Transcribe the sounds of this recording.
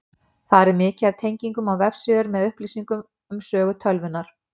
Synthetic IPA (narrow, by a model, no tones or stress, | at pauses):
θaðɾɪɾmɪːcɪaɾt̪ʰejɲciŋkʏmawvɛfsʏʏɾmɛðʏhpliːsiŋkʏm | ʏmsœːɣʏt̪ʰœlvʏnːaɾ̥